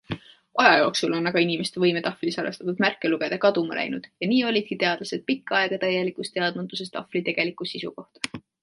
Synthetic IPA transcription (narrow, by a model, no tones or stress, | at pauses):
ɑjɑjo̞ːksulo̞nːɑɡ̥ɑinʲime̞st̪evɤjmet̪ɑflisɑɾest̪ɑt̪ud̪̥mærkːˑe̞luɡ̥e̞d̪̥ɑkɑd̪umɑ̰lʔæ̰jnud̪̥jɑniːo̞lʲid̪̥̚kit̪e̞ɑd̪̥lɑse̞d̪̥̚pikːˑɑe̞ɡ̥ɑt̪æjːe̞likˑust̪e̞ɑd̪̥mut̪ːus̬e̞st̪ɑ̰flit̪e̞ɡ̥e̞likːˑusisṵko̞ht̪ɑ̥